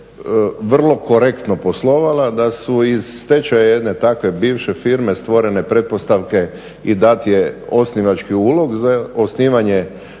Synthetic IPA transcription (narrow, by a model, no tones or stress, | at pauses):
ʋr̩lˠo̞ko̞ɾekt̪no̞po̞slˠo̞ʋalad̪asuizːt̪et͡ʃajajed̪net̪akʋe̞biːʋʃefiɾmest̪ʋo̞ɾe̞ne̞pɾe̞t̪̚po̞st̪aʋke̞ | id̪at̪jeo̞sniʋat͡ʃkiuːlˠo̞ɡzaosniːʋaɲe